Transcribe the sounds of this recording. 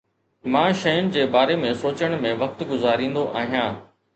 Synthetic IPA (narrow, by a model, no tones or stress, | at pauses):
mãːʃɐjʊnɪ̆d͡ʑeːbaːɾemẽsoːt͡ɕəɽ̃mẽʋɐk̚t̪ɡʊzaːɾĩːnd̪oʔaːɦijãː